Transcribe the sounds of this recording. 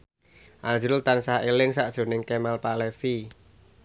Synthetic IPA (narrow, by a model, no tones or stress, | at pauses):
ʔand͡ʒɾʊlt̪ansaelɪŋsaʔd̥ʒ̥o̤nɪŋkɛmalpalɛfi